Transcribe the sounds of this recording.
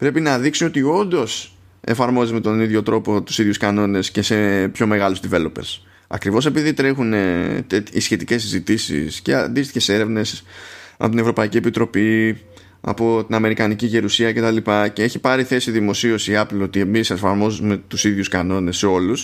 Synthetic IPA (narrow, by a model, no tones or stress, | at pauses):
pɾe̞pinɐðiksio̞t̪io̞nd̪o̞s | efɐɾmo̞zime̞t̪o̞niðʝo̞t̪ɾo̞po̞t̪u̥siðʝuskɐno̞ne̞sce̞se̞pço̞me̞ɣɐluzd̪ive̞lo̞peɾs | ɐ̰kɾivo̞se̞piðit̪ɾe̞xunet̪eisçe̞t̪i̥ce̞sizit̪isḭsce̞̰ɐ̰nd̪ist̪içe̞se̞ɾe̞vne̞sɐ̰po̞t̪inevɾo̞pɐiciepit̪ɾo̞pi | ɐ̰po̞t̪inɐme̞ɾikɐniciʝe̞ɾusiɐce̞t̪ɐlipɐce̞eçipɐɾiθe̞siðimo̞sio̞siɐplio̞t̪ie̞misefɐɾmo̞zume̞t̪usiðʝuskɐno̞ne̞sːeo̞lus